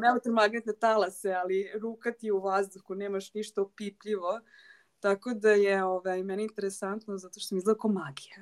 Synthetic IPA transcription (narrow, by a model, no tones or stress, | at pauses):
mɛlt̪eɾmaɡnet̪nat̪alasealiɾuːkat̪ijeuʋazd̪uxuneːmaʃniʃt̪opipʎiʋo | t̪ako̞d̪ajeoʋajmɛneint̪eɾesant̪nozat̪oʃt̪o̥smizd̪ˠekomaɡija